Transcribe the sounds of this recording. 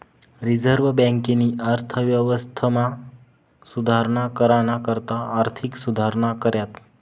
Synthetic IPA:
ɾid͡zəɾʋbɛ̃ŋkeniːʔaɾt̪ʰəʋjəʋəst̪ʰəma | sud̪ʱaɾɳ̃akəɾaɽ̃akəɾt̪aːɾt̪ʰiksud̪ʱaɾɳ̃akəɾjat̪

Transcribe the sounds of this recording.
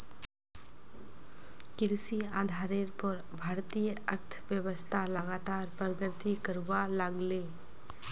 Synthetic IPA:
kɪɾsiaːd̪ʱaːɾeɾpəɾbʱaɾt̪ijəɾt̪ʰbjəwəst̪ʰaləɡat̪aːɾpənd͡ʒ̪ət̪ikəɾʋalaɡlẽ

